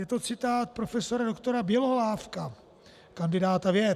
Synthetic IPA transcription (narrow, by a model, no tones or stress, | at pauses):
jɛt̪o̞t͡sɪt̪aːt̪̚pɾo̞fɛsoɾado̞kt̪o̞ɾabjɛloɦolaːfka | kandɪdaːt̪avjɛ